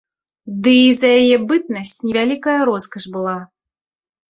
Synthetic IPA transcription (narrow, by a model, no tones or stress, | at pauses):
d̪ɨːzɐjajɛbɨt̪̚nɐsʲt͡sʲnʲɛvʲalʲikɐjɐɾɔskɐʂbɨlˠa